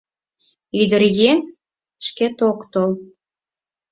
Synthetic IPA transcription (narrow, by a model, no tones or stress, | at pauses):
yd̪ərjen | ʃket̪okt̪ol